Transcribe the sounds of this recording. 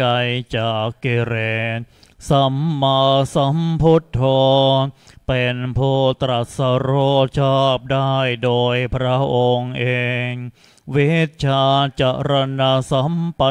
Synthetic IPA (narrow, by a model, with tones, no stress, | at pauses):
ka˧jt͡ɕaː˨˩kːi˧ɾɛ˩ | sa˨˧˦mːa˧sa˨˧˦mpʰo˧˥t̪ʰːɔː˧npe˨npʰuː˥˩t̪ɾa˨˩t̪̚sa˧ɾoː˧˥˩t͡ɕʰaː˥˩p̚daː˥˩jdoː˧jpʰɾa˦˥ʔo˧ŋʔeː˧ŋ | wi˦˥t̪̚t͡ɕʰaː˧t͡ɕa˨˩ɾa˧na˧sa˧˦˥mpa˧˦